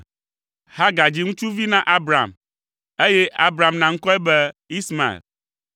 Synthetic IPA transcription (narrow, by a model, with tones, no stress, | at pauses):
ha˦ɡa˨d͡ʑi˦ŋũ˦t͡ʃu˦vi˦nã˦ʔa˦bɾa̰˨m | e˦je˦ʔa˦bɾa˨mnã˨ŋ̩̃˦kɔ˦ɛ˦bɛ˦i˦sma˨ḛ˨l